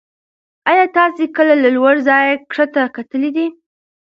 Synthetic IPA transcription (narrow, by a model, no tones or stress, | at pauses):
ɑjɑt̪ɑsekəlalalwaɽzɑjkʂət̪akat̪əlid̪i